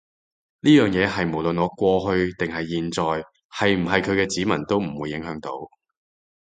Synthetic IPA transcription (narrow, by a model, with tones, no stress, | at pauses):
liː˥jœː˨ŋjɛː˨˧ɦɐ˨jmo˨˩wlɵ˨nɔː˨˧kʷɔː˧ɦɵ˧ɥt̪ɪ˨ŋɦɐ˨jːiː˨nt͡sɔː˨j | hɐ˨jm̩˨˩ɦɐ˨jkʰɵ˨˧ɥkɛː˧t͡siː˨˥mɐ˨˩nt̪o˥wm̩˨˩wuː˨˧jːɪ˨˥ŋɦœː˨˥ŋt̪o˨˥w